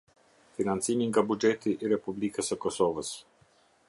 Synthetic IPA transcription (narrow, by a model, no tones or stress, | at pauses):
finant̪siniŋɡabud͡ʒet̪iʔiɾɛpublikɛsɔkɔsɔːʋɔs